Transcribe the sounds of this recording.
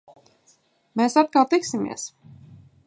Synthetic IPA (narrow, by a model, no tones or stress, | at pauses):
meːsat̪̚kalˠt̪iksimḭɛs